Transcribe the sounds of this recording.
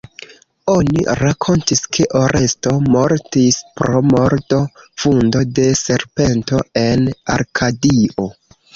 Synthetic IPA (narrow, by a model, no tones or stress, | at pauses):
o̞nḭɾakʰo̞ntiskʰe̞ʔoɾʔe̞sto̞mo̞ɾtispɾo̞mo̞ɾto̞fundo̞de̞se̞ɾpe̞nto̞e̞na̰ɾkʰadio